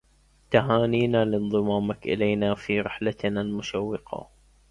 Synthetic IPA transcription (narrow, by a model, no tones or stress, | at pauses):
t̪aɦaːniːnaːlɪnðˤɨmɑːmakʔɪ̰lajnaːfiːɾɪħlat̪nalmʊʃawːɪqɑ̰